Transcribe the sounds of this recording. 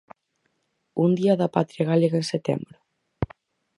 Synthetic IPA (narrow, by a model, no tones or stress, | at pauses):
und̪iɐðapat̪ɾjaɣaleɣaẽnset̪ɛ̰mbɾʊ